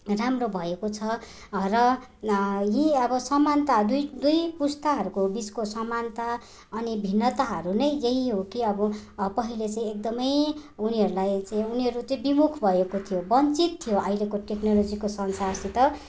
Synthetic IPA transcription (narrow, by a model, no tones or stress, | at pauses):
ramrobʱʌekot͡sʰʌ | rʌ | ɦĩʌbʌsʌmant̪ad̪ujd̪ujpust̪aɦʌɾukobiskosʌmant̪a | ʌnibʱinːʌt̪aɦʌɾunʌjjeɦiɦokiʌbʌpʌɦilet͡saĩek̚d̪ʌmʌjuniɦʌɾulajt͡saĩuniɦʌɾut͡sʌ̃bimukʰbʱʌekot̪ʰijobʌnt͡sit̪ʰːijoʌjlekoʈeknolod͡zikosʌnsart͡sĩt̪ʌ